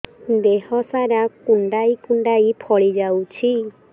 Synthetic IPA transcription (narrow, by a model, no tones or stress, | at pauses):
d̪eɦɔsaɾakuɳɖaikuɳɖajpʰɔɭid͡ʒawt͡ʃʰi